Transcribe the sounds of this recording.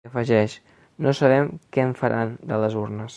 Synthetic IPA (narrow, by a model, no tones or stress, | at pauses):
əfəʒɛʃ | nosəβ̞ɛmkɛɱfəɾʔand̪ələzurnəs